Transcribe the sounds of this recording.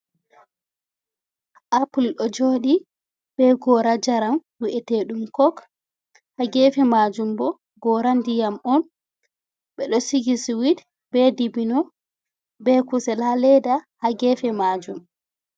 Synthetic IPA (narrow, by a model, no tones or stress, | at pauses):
ʔapulɗɔd͡ʒoːɗi | bɛɡɔɾad͡ʒaɾamwiʔɛteɗumkɔk | haɡɛfɛmad͡ʒumbɔ | ɡɔɾandijamɔn | ɓɛɗɔsiɡiswid | bɛdibinɔ | bɛkusɛlhalɛdahaɡɛːfɛmad͡ʒum